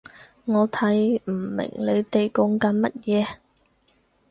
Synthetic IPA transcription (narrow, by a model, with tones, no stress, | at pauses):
ŋɔː˨˧t̪ʰɐ˨˥jm̩˨˩mɪ̰˨˩ŋle˨˧t̪e˨jkʊ˨˧˥ŋkɐ˨˧˥nmɐ˥t̚jɛː˨˧